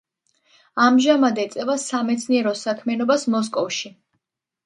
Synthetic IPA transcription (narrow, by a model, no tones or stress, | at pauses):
amʒamad̪ɛt̪sʼɛvasamɛt̪sʰniɛɾɔsakʰmɛnɔbasmɔs̬kʼɔfʃi